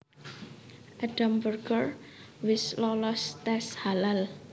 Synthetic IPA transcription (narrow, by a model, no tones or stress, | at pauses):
ʔaɖ̥ambərɡərwɪslɔlɔst̪ɛshalal